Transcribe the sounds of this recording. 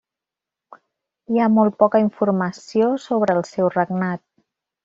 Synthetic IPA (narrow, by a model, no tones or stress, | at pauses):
iamɔlˠt̪̚pɔkəiɱfurməsiosoβ̞ɾəːlˠsɛwrəɡnat̪̚